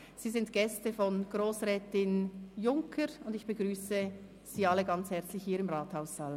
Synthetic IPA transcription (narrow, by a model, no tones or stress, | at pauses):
z̥iːzɪntɡ̥ɛstəfɔnɡ̥ʁoːsʁɛːtɪnjʊŋkʰəɾʊndɪçb̥əɡʁyːsə | z̥iːɑləɡɑnt͡shɛɐt͡slɪçhiːɾɪmʁɑːthaʊssɑl